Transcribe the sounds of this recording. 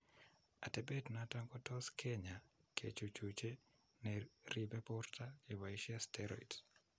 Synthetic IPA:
atɛbetnataŋkɔtɔskʰeɲakʰḛt͡ʃot͡ʃut͡ʃe | nɛribɛpɔrtʰakɪwaiʃiastɛɾɔ̰ḭt

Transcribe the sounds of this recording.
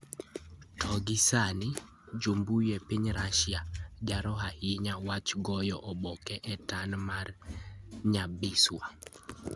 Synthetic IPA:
tʰɔɡɪsanɪ | d͡ʒombujɛpɪɲɾaʃɪjad͡ʒaɾɔɦahɪɲawat͡ʃɡɔjɔʔɔbɔkɛʔɛtanmar | ɲabɪswa

